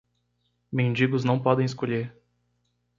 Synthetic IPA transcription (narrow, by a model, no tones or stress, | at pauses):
mẽnd͡ʒiɡʊznɐ̃w̃pɔd̪ẽj̃ɪskoʎeɾ